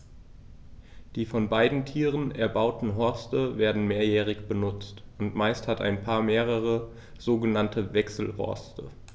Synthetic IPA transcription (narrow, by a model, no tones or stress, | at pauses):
d̥iːfɔnbaɪdn̩tʰiːʁ̞ənɛɐbaʊtn̩ɦɔɐstəveːɐdn̩meːɐjɛːʁ̞ɪçb̥ənʊt͡stʔʊntmaɪsthata̰ɪnpʰaːɐmeːʁ̞əʁ̞ə | z̥oːɡənantʰəvɛksl̩hɔ̰ɐstʰə̰